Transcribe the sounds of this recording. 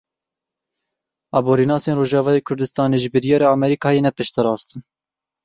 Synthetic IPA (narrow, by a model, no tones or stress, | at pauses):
ɑːboːɾiːnɑːseːnroːʒɑːvɑːjeːkʰʊɾd̪ɨst̪ɑːneːʒɨbɨɾijɑːɾɑːɑmɛɾikʰɑːjenɛpɨʃt̪ɨɾɑːst̪ɨn